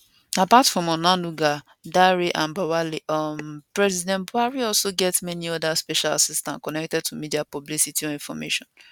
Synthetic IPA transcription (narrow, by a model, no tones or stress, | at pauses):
apatfɹɔ̃mɔnãnuɡa | daɹiʔãnbawaliʌmpɹɛzidɛ̃ntbuaɹiɔlsoɡɛtmɛniɔdaspɛʃalasistã̰nkɔnɛk̚tɛd̚tʰumidiapɔblisitʰiɔĩnfɔmḛʃɔ̃n